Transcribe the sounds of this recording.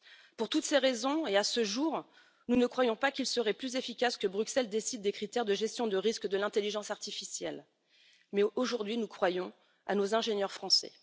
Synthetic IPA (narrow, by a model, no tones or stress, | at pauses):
puʁt̪ut̪seʁezɔ̃easəʒuʁ | nunəkχwajɔ̃pakʲilsəʁɛplyzefikʲaskəbʁyksɛld̪esid̪̚ːekχit̪ɛʁd̪əʒɛst̪jɔ̃d̪əʁiskd̪əlɛ̃t̪eliʒɑ̃saʁt̪ifisjɛl | mɛoʒuʁd̪ɥinukχwajɔ̃ | a̰nozɛ̃ʒenjœʁfχɑ̃sɛ̰